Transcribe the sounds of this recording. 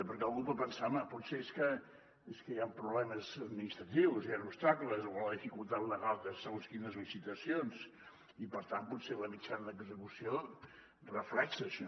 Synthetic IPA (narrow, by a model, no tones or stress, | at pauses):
pəɾkɛlˠɣupəpənsaməpɔt̪seeskə | eskəjampɾuβlɛməzəd̪minist̪ɾət̪iwzjanupst̪akləzoɔnləðifikulˠt̪at̪ləɣalˠt̪əsəɣonskinəzlisit̪əsions | ipəɾt̪anpɔtseləmit͡ʃanəðəɡzəkusio | rəflɛksəʃɔ